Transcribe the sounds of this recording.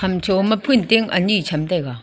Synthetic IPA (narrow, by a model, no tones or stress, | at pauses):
ɐmt͡ʃʰomɐpʰunt̪eŋɐ̰nit͡ɕʰɐmt̪aka